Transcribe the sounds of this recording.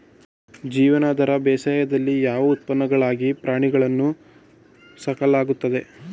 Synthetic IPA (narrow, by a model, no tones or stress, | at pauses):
d͡ʒiːʋɐnaːd̪ɐɾɐbɛːsaːjɐd̪ɐlːijaːʋɐut̪̚pɐnːɐɡɐɭaːɡipɾaːɳiɡɐɭɐnːu | sɐkɐlaːɡut̪ːɐd̪e̞